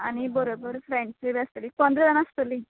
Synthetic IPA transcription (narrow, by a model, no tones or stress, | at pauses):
añibəɾobəɾfɾẽɳʈseʋast̪liːkɔnd̪ɾəd̪anast̪əli